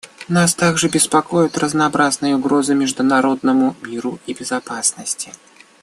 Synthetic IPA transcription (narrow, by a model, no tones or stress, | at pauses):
nast̪aɡʐɨbʲɪspɐkojʊt̪rəznɐːbɾaznɨjəʊɡɾo̞zɨmʲɪʐd̪ʊnɐɾo̞d̪̚nəmʊmʲiɾʊibʲɪzɐpasnəsʲtʲɪ̥